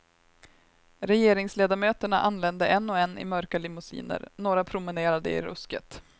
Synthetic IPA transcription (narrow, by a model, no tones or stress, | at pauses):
ɾɛjeːɾɪŋsleːd̪aɾmøːt̪əɳaʔanːlɛnd̪əʔɛnːɔɛnːɪ̰mœɾkalɪmʊsḭːnə̰ɾnoːɾapʰɾʊmɪneːɾad̪ə̰ɪ̰ɾɵ̰skə̰t̪